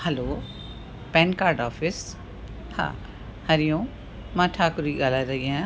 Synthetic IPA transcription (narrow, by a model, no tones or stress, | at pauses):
hɛloː | pɛ̃ːnkaːɾɖɔːfɪs | ha̰ː | hɐɾijõː | mãːʈʰaːkʊɾiɡaːlaɾɐɦiɦɛ̃ː